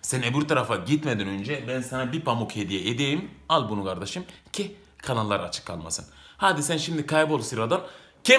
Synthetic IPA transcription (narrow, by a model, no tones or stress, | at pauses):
sɛnebyɾt̪ʰaɾafaɟit̪med̪inø̞nd͡ʒɛbænsanabipʰamukhed̪ijɛʔed̪ejimalˠbunukʰaɾd̪aʃɯmcʰi | kʰanalˠːaɾat͡ʃʰɯ̥kʰːa̰lˠma̰sɯnhaːd̪isɛnʃimd̪ikʰajbolˠsiɾad̪an | cʰɛ